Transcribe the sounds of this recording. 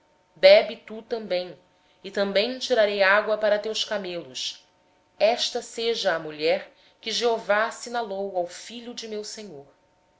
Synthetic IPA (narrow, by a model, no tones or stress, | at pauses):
bɛbit̪ut̪ɐ̃mbẽj̃ | ɪt̪ɐ̃mbẽj̃t͡ʃiɾaɾejaɡwɐpaɾɐt̪ewskamelʊs | ɛʃt̪ɐseʒɐːmuʎɛɾ | kɪʒeovasinalowawfiʎʊd͡ʒɪmewseɲoɾ